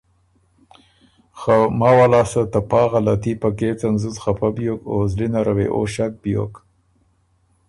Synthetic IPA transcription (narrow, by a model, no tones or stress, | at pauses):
xamɑːwalɑːsət̪apɑːɣalat̪ipaket͡sanzuzxapʰabjokozlinaɾʔawḛʔo̰ʃak̚bjo̰k